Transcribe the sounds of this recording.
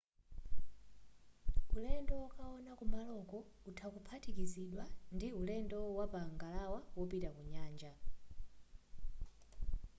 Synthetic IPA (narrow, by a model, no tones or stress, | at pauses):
ulɛndɔwɔkaɔnakumbalɔkɔutʰakupʰatʰikiziɗwandiulɛndɔwapaŋɡalawawɔpitakuɲaːnd͡ʒa